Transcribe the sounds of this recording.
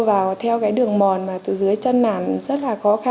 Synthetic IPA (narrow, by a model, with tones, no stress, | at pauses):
vaː˨˩wt̪ʰɛ˧wkaː˨˦jɗɨ˨˩əŋmɔ˨˩nmaː˨˩tt̪ɨ˧˨˩zɨ˨˦əjt͡ɕə˧nːa̰ː˧˩nzə˦˥t̚laː˨˩xɔ˨˦xa˧